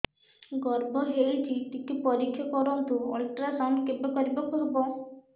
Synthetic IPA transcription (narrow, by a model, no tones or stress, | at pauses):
ɡɔɾbʱɔɦelit͡ʃʰit̪ikipɔɾikʰːjakɔɾɔɦt̪uɔlʈɾasaɳɖkebɔkɔɾibakuɦebɔ